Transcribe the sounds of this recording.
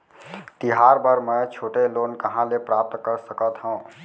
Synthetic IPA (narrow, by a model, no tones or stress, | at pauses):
t̪iɦaɾbəɾmə̃t͡ʃʰoːʈelonkəɦãlepɾap̚t̪kəɾsəkət̪ɦə̃ũ